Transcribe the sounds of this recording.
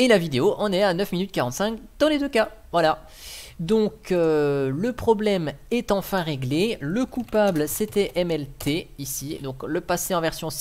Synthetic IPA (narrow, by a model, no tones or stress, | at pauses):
elavid̪eoʔɑ̃nɛanœfminyt̪̚kaʁɑ̃t̪sɛ̃kd̪̥ɑ̃led̪øka | vwala | d̪ɔ̃køləpχɔblɛmɛt̪ɑ̃fɛ̃ʁeɡleləkupablsɛt̪ɛʔɛmɛlt̪ʰeisid̪ɔ̃kləpaseɑ̃vɛʁsjɔ̃s